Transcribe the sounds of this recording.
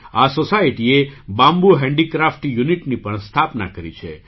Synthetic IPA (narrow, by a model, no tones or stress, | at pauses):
asosaiʈiebãmbuɦɛ̃ɳɖikɾafʈjuniʈnipəɳst̪ʰapna̰kəɾḭt͡ʃʰḛ